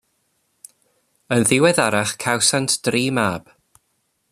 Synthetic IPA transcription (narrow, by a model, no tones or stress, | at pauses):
ənðɪwɛðaɾaχkʰawsantʰd̥riːmaːb̥